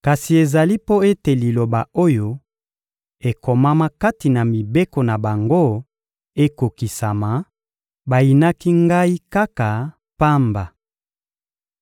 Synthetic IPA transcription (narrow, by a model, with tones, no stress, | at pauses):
ka˨si˨e˨za˨li˦po˦e˦te˨li˨lo˨ba˨o˦jo˦ | e˨ko˨ma˦ma˦ka˦ti˨na˨mi˨be˦ko˨na˨ba˨ŋɡo˦ | e˦ko˨ki˨sa˨ma˨ | ba˨ji˨na˦ki˦ŋɡa˦i˦ka˦ka˨ | pa˦mba˨